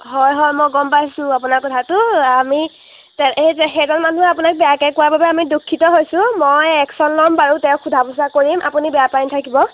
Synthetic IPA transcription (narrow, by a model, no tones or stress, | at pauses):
ɦɔjɦɔjmɔjɡɔmpajsʊ̃apunaɹkɔtʰatʊami | tɛezɛxejzɔnmantuɛapunak̚bɛjakɛkʊwababɛamidukʰːitɔɦojsʊ̃mojɛksɔnlɔmbaɹutɛʊ̃kʰudʱabus̬akoɹimʔa̰punibɛjapajntʰakibɔ